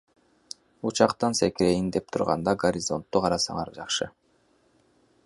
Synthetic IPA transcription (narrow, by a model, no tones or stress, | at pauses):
ut͡ʃɑqt̪ɑnsekɾe̞jind̪e̞p̚t̪ʰuɾʁɑ̰nd̪ɑɡoɾʲɪzo̞nt̪ːuqʰɑɾɑsɑ̰ŋɑɾd͡ʒɑqʃɯ